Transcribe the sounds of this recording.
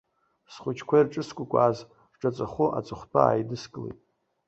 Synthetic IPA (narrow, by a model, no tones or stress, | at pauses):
sχʷʊt͡ʃʰkʷʰairʈ͡ʂʼɨskʷʼʊkʷʼaːz | ʈ͡ʂʼat͡sʷʼaχʷʊʔa̰t͡sʼʊχʷtʰa̰a̰ːjdɨskʼɨlḛjtʼ